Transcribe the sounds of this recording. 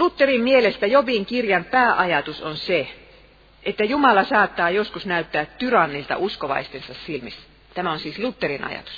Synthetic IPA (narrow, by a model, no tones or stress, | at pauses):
lut̪ːerimmielest̪æjoʋiŋkirjɑnpæːʔɑjɑt̪usonse | ʔet̪ːæjumɑlɑsɑːt̪ːɑːjoskusnæyt̪ːæːt̪t̪yrɑnːilt̪ɑ̰ʔuskoʋɑ̰ist̪ensɑssilmis | t̪æmæonsiːslut̪ːerinɑ̰jɑ̰t̪u̥s